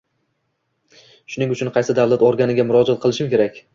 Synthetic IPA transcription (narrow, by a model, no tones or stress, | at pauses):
ʃʊnɪŋʊt͡ʃʰʊnqʰɑjsɪd̪avlˠat̪oɾɡʲanɪɡʲamʊɾɒd͡ʒat̪̚qʰɨlˠɪʃɪmkʲe̞ɾakʲ